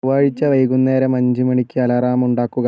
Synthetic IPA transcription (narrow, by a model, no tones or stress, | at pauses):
ʋaːɻit͡ɕːɐʋɐjɣunːeːɾɐmɐɲd͡ʑimɐɳikʲːɨɐlɐraːmuɳɖaːkːuɣɐ